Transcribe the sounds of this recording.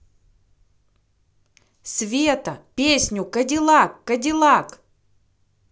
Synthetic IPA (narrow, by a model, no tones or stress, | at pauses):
sʲvʲet̪əpʲesʲnʲʊkɐdʲɪlˠakːɐdʲɪlˠak